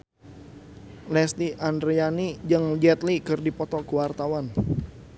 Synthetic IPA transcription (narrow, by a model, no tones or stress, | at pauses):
lɛst̪iʔandɾeanid͡ʒɨŋd͡ʒɛt̪likɨrdipɔt̪ɔkəwart̪awan